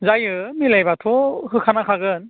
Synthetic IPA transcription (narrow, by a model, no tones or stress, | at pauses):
zajɯmilajbatʰɔɦɯkʰanakʰaɡɯn